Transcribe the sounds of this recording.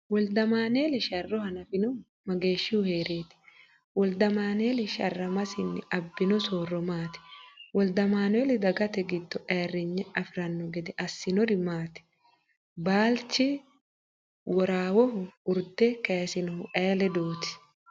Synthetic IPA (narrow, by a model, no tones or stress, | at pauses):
wɔld̪ɐmaːneːlɛʃɐrːɔhɐnɐfɪnɔ | mɐɡe̞ːʃːɪhʊheːɾeːt̪ɪ̥ | wɔld̪ɐmaːneːlɪʃɐrːɐmɐsɪnːɪ̰ɐbːɪnɔsoːrːɔmaːt̪ɪ̥wɔld̪ɐmaːneːlɪd̪ɐɡɐt̪ɛɡɪd̪ːɔʔɛːrːɪɲːɛɐfɾɐnːɔɡɛd̪ɛʔɐsːɪnɔd̪ɪmaːt̪ɪ̥ | baːlt͡ʃːɪ | wɔɾaːwɔhʊʊɾd̪ɛkeːsɪnɔhʊʔɛːlɛd̪oːt̪ɪ̥